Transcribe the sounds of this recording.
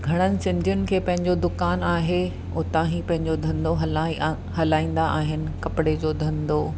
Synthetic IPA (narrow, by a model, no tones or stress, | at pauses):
ɡʱɐɽ̃ənɪ̆sɪ̃ɲd͡ʑjʊnɪ̆kʰeːpɐ̃ɦɪ̃ɲd͡ʑod̪ʊkaːnaːɦe | ʊt̪ãɦipɐ̃ɦɪ̃ɲd͡ʑod̪ʱɐ̃nd̪oɦɐlaːi | hɐlaːĩːn̆d̪aʔaːɦɪnɪ̆kɐpɪɽed͡ʑoːd̪ʱɐ̃nd̪oː